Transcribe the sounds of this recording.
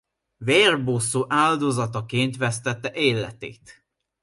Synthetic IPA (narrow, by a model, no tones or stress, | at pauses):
veːrbosoːʔaːld̪ozɒt̪ɒkeːnt̪ʋɛst̪ɛt̪ːɛʔeːlːɛ̰t̪ḛːt̪